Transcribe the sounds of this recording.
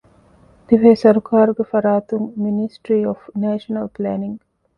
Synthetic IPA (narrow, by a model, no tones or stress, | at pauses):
d̪iʋeːsɐɾukʰaːɾuɡefɐɾaːt̪uŋminisʈɾiːofneːʃɐnɐlplæːniŋ